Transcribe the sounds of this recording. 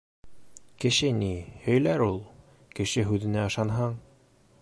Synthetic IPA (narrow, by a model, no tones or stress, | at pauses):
kɘ̆ʃɘnihɵ̆jlæɾulˠ | kɘ̆ʃɘɦʉðɘ̆næɤ̆ʃɑnɦɑɴ